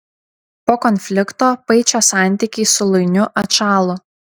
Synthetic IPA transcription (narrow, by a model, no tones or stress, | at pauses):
poːkɔnʲfʲlʲɪkt̪oːpɐɪt͡ʃʲoːsɑˑnʲˑt̪ʲiˑkʲɛɪsʊlˠʊɪnʲʊʔɐt̪ʃɑːlˠʊ